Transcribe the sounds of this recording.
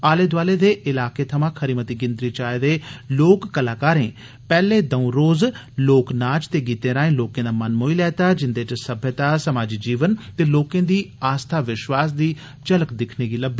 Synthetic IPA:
aːleːd̪ʊaːleːd̪eːʔɪlaːkeːt̪ʰəmãːkʰəɾiːmət̪iːɡɪ̃nd̪ɾiːt͡ʃaːed̪eːloːkːəlaːkaːɾẽː | pɛːleːd̪əũːɾoːz | loːknaːt͡ʃt̪eːɡiːt̪ẽːɾaːẽːloːkẽːd̪aːmənmoːilɛːt̪aːd͡ʒɪnd̪eːt͡ʃsəbʱjət̪aːsəmaːd͡ʒiːd͡ʒiːʋənt̪eːloːkẽːd̪iːaːst̪ʰaːʋɪʃwaːs̬d̪iː | t͡ʃələkd̪ɪkʰneːɡiːləbːiː

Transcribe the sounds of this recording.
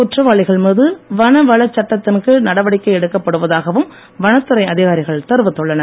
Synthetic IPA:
ʊʈrɐʋaːɭɪɣɐɭmuːðɯʋɐnɐʋɐɭɐt͡ʃːɐʈːɐt̪ːɪnkɯnɐɽɐʋɐɽɪkːɐɪɛɽɯkːɐpːɐɽɯʋɐðaːɣɐʋɯm | ʋɐnɐt̪ːɯɾɐɪɐðɪɣaːɾɪɣɐɭt̪ɐɾɯʋɯt̪ːɔɭːɐnɐ

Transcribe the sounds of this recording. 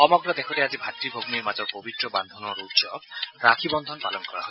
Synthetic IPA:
xɔmɔɡɹɔd̪ekʰɔtɛazibʱatɹibʱoɡmiɹmazɔɹpobit̪ɹɔband̪ʱɔnɔɹutsɔ̰bɹakʰibɔnd̪ʱɔnpa̰lɔnkɔɹa̰ɦɔ

